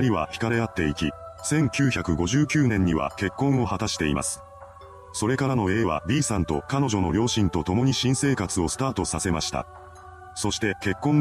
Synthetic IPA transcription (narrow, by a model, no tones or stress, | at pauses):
ɾʲiβa̰çi̥kaɾe̞at̪ːe̞ikʲisẽ̞ŋkʲɨːçʲakɯ̟ɡo̞ʑɨːkʲɨːnẽ̞ɲ̟ːiβa̰ke̞kːõ̞ɰ̃o̞hat̪aɕi̥t̪e̞ḭma̰sɨ̥ | so̞ɾe̞kaɾano̞e̞ːβa̰bʲiːsãnt̪o̞̰kano̞ʑo̞no̞ɾʲo̞ːɕĩnt̪o̞t̪o̞mo̞ɲ̟iɕĩɰ̃se̞ːkat͡sɨo̞sɨ̥t̪aːt̪o̞sase̞maɕi̥t̪a̰ | so̞ɕi̥t̪e̞ke̞kːõ̞n